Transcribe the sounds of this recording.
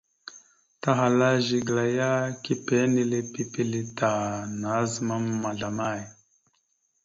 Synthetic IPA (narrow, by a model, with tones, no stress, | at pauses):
ta˦ɦa˨la˦ʒi˨ɡla˨ja˦ki˦pe˨˦ni˦le˦pi˦pi˦li˦ta˨na˨˦zə˨ma˦mː˦a˨ɮa˨ma˦˨j